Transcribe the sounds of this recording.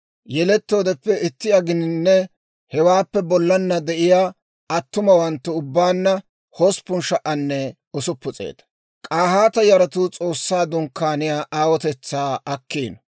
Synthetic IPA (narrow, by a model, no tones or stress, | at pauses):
jɛlɛt̪ːo̞ːd̪ɛpːɛɪt̪ːɪɐɡɪnɪnːɛ | hɛwaːpːɛbɔlːɐnːɐd̪ɛʔɪjaː | ɐt̪ːʊmɐwɐnt̪ːɛʊbːaːnːɐ | hospːʊnʃɐʔɐnːɛ | ɔsʊpːʊt͡sʼḛːt̪ɐ̥ | kʼaːhaːt̪ɐjɐɾɐt̪ʊt͡sʼo̞ːsːaːd̪ʊŋkːaːnɪjaːʔaːwɔt̪ɛt͡sːaːʔɐkːiːnɐ